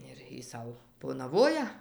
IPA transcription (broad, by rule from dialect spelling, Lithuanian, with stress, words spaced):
ɪr ˈjiː ˈsɐʊ poːnɐˈʋoːjɛ